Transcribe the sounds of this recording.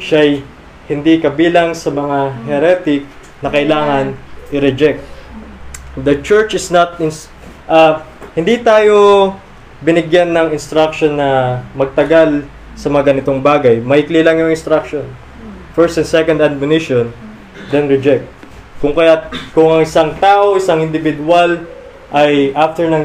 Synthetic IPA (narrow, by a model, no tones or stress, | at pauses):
ʃaj | hɪnd̪ikɐbiːlɐŋsɐmɐŋaɦɛɾɛt̪ɪk̚ | nɐkɐʔɪlaːŋɐnʔɪɾɛd͡ʒɛk̚t̪̚ | d̪ɐt͡ʃɛɹt͡ʃɪsnɐt̪ɪn | ʔɐhɪnd̪it̪aːjo̞ | bɪnɪɡjanːɐŋɪnst̪ɾak̚ʃonːɐmɐɡ̚t̪ɐɡal | sɐmɐŋɐɡɐnɪt̪o̞ŋbaːɡɐjmɐʔiklilɐŋjʊŋɪnst̪ɾak̚ʃon | fɛɹst̪ɛnsɛkond̪ɐd̪̚mjʊnɪʃon | d̪ɛnɾɛd͡ʒɛk̚t̪̚ | kʊŋkɐjakʊŋɐŋɪsaŋt̪aːʔo̞ʔɪsaŋɪnd̪ɪvɪd̪ʊal | ʔɐjʔaft̪ɛɹnɐŋ